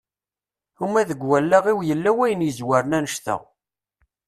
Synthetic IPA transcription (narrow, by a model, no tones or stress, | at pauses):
umːæðəɡwælːaʁiwjəlːæwæjənjəzwæɾənænəʃt̪ə̰ʁ